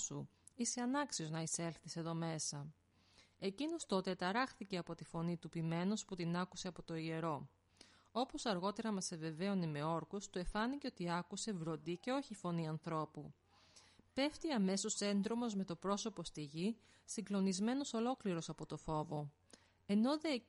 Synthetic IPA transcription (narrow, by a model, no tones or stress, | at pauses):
su | ise̞ɐnɐksio̞znɐise̞lθise̞ðo̞me̞sɐ | e̞cino̞st̪o̞t̪e̞t̪ɐɾɐxθiceɐpo̞t̪ifo̞nit̪upime̞no̞sput̪inɐkuse̞ɐpo̞t̪o̞ie̞ɾo̞ | o̞po̞sɐɾɣo̞t̪e̞ɾɐmɐseve̞ve̞one̞me̞o̞ɾkust̪ue̞fɐnice̞o̞t̪iɐkuse̞vɾo̞nd̪ice̞o̞çifo̞niɐnθɾo̞pu | pe̞ft̪iɐme̞so̞se̞nd̪ɾo̞mo̞zme̞t̪o̞pɾo̞so̞po̞st̪iʝi | siŋɡlo̞nizme̞no̞so̞lo̞kliɾo̞sɐpo̞t̪o̞fo̞vo̞ | e̞no̞ðe